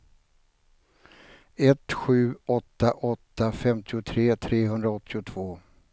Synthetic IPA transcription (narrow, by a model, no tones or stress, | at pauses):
ɛt̪ɧʉ̟ːɔt̪ːaʔɔt̪ːafɛmt̪ɪʊt̪ʰɾeːt̪ʰɾeːɦɵnd̪ɾaɔt̪ʰːɪʊt̪ʰv̥oː